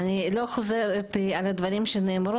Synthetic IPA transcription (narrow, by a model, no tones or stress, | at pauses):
niloxozeɾet̪alad̪vɐɾimʃeneːmɾu